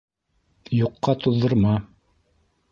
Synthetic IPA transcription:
juqːɑt̪uðːɤ̆ɾmɑ

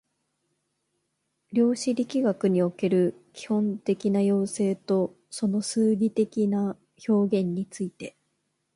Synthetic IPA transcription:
ɾʲo̞ːɕiɾʲikʲiɡakɯ̟ɲ̟io̞ke̞ɾɯ̟kʲi̥hõ̞nt̪e̞kʲinajo̞ːse̞ːt̪o̞ | so̞no̞sɨːɡʲit̪e̞kʲina | ço̞ːɡẽ̞ɲ̟ːit͡sɨit̪e̞

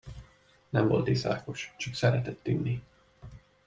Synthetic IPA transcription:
nɛmvo̞̰lt̪isa̰ːko̞ʃt͡ʃɒksɛɾɛt̪ɛt̪ːynːi

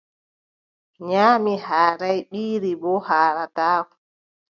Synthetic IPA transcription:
ɲaːmihaːɾajɓiːɾibɔhaːɾataːku

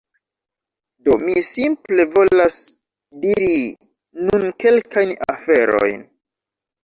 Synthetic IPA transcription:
do̞misimple̞vo̞las | diɾi | nunke̞lkajna̰fe̞ɾo̞̰jn

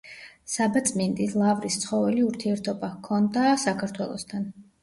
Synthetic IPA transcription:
sabat̪sʼmind̪ʼislˠavɾist̪sʰχɔvɛliuɾt̪ʰiɛɾt̪ʰɔbakʰɔnd̪asakʰaɾt̪ʰwɛlˠɔ̰st̪ʰan

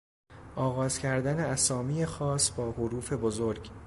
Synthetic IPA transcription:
ʔɒːɣɒːzcʰæɾd̪æneæsɒːmiːjexɒːsbɒːhoɾuːfe̞bozo̞ɾɟ

